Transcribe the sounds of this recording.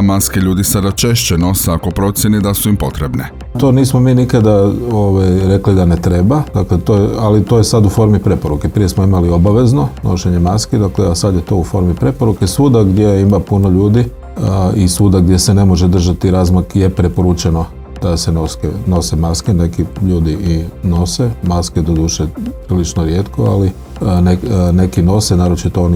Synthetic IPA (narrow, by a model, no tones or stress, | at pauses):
maskeʎuːd̪isad̪at͡ʃeʃt͡ʃeno̞seakopɾo̞t̪sʲjened̪asuimpo̞t̪ɾebne | t̪o̞niːsmo̞miːnikad̪aoʋajɾe̞klid̪anet̪ɾe̞bad̪aklet̪ojealit̪o̞jesad̪ufo̞ɾmipɾe̞po̞ɾukepɾije̞smoimalio̞baʋe̞zno̞no̞̰ʃe̞ɲemaskid̪akleasad̪jet̪o̞ufo̞ɾmipɾe̞po̞ɾukesuːd̪aɡd̪jejeimapuno̞ʎuːd̪i | isuːd̪aɡd̪je̞sene̞mo̞ʒed̪r̩ʒat̪iɾazmakje̞pɾe̞po̞ɾut͡ʃeno̞ | d̪̥asenoskeno̞semaskene̞kiʎuːd̪iino̞semasked̪od̪uːʃepɾilit͡ʃnoɾjeːt̪ko̞a̰li | nene̞kino̞senaːɾo̞t͡ʃit̪ooni